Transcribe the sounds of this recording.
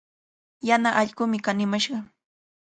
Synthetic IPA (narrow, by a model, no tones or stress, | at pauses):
janaʔɑʎɢʊmɪkanɪmaʃɢɑ